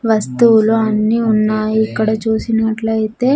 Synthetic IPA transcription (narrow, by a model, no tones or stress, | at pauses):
ʋɐst̪uluɐnːiunːaːjiikːɐɽɐt͡ʃuːsinɐʈlɐjt̪e̞ː